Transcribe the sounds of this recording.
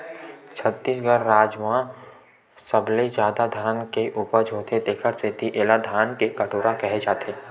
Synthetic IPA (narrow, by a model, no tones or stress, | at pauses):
t͡ʃʰət̪ːiːsɡəɾːaːd͡ʒʋɦã | səbled͡ʒjaːd̪ad̪ʱaːnkeʔuːpəɾd͡ʒʱoːt̪ed̪eːkʰəɾset̪iʔeːlad̪ʱaːnkekɐʈoːɾakɛɦed͡ʒaːt̪ʰeː